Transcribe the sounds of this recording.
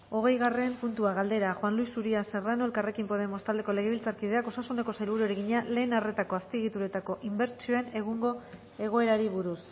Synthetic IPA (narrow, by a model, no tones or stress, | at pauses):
o̞ɣ̞e̞jɣare̞ɱpunt̪uaɣald̪e̞ɾaxwanluisːuɾiase̞ranoe̞lkare̞kimpo̞ð̞e̞mo̞st̪ald̪e̞kole̞ɣ̞eβilt͡saɾkið̞e̞ako̞sasune̞ko̞sajlβ̞uɾueɾe̞ɣiɲale̞ːnare̞t̪ako̞aspieɣit̪uɾe̞t̪ako̞ʔimbe̞ɾt͡ʃioene̞ɣuŋɡo̞ | e̞ɣ̞o̞e̞ɾaɾiβuɾus